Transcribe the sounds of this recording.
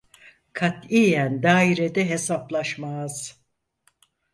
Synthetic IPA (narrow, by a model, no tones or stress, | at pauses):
kʰat̪ijænd̪aːiɾed̪ɛɦe̞saplˠaʃmaz̥